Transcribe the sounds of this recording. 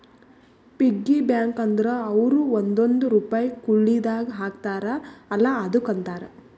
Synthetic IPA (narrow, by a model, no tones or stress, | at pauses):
piɡːibjaːŋkɐnd̪ɐɾɐɐʋɾuond̪ond̪uɾuːpaːjkuɭːid̪aːɡɐɦaːkt̪aːɾɐɐlːaːd̪ukɐnt̪aːɾɐ